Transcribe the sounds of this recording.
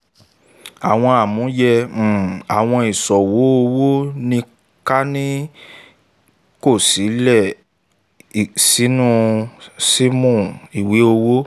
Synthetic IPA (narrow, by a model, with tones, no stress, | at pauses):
a˨w̃ɔ̃˧a˨mũ˨˦jɛ̃˧˨ | a˨w̃ɔ̃˧i˨sɔ˨wo˨˦o˧wo˦nĩ˧ | ka˦nĩ˦ | ko˦˨si˨˦lɛ˦˨ | si˨˦nũ˦˧si˦mũ˦˨i˨we˨˦o˧wo˦